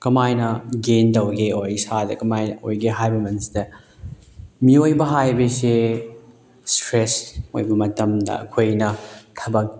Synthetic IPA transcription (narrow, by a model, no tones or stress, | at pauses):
kɐmajnɐɡendɐwɡeojsadɐ̰kɐmajo̰jɡeɦajbɐmɐnsi̥dɐ | miojbɐɦajbɐse | stɾeso̰jbɐmɐtɐmdɐ̰ɐ̰kʰojnɐtʰɐbɐk̚